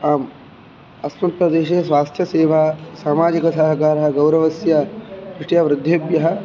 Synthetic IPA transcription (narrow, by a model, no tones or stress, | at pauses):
aːm | ɐsmɐt̪ɾɐd̪eːʃeːsʋaːst̪ʰjɐseːʋaːsaːmaːd͡ʒikɐsɐɦɐkaːɾɐɦɐ̆ɡɐwɾɐʋɐsjɐkɾɪʂʈijaʋɾɪd̪ʱːjebjɐɦɐ̆